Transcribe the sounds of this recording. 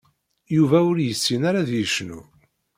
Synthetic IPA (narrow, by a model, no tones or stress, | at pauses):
juvæʊɾjəsːinaɾaðjəʃnṵ